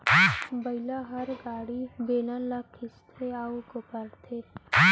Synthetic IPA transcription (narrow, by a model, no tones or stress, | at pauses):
bəilaɦɐɾɡaːɽibeːlãlakʰɪst̪ʰeaukopəɾt̪ʰe